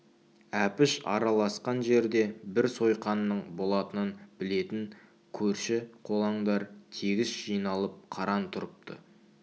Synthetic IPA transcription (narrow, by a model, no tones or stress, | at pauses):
æpɪʃɑ̰ɾɑlˠɑsqɑnʒe̞ɾd̪e̞bɪɾso̞jqɑnːəɴbo̞lˠɑt̪ənənbɪle̞t̪ɪŋ | kʲʰɵɾʃɪqʰo̞lˠɑɴd̪ɑɾt̪ʰeɡʲɪsʒ̥ijnɑlˠəp̚qʰɑɾɑnt̪ʰʊɾəp̚t̪ʰə̰